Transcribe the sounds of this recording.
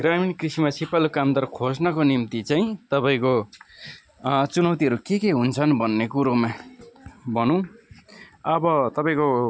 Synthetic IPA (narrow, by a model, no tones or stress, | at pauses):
ɡraminkrisimasipalokamd̪ʌrkʰod͡znʌkonimt̪it͡saĩt̪ʌpaĩko | t͡sunʌwt̪iɦʌɾukekeɦunt͡sʰʌnbʱʌnːekuɾoma | bʌnũ | ʌbʌt̪ʌpaĩko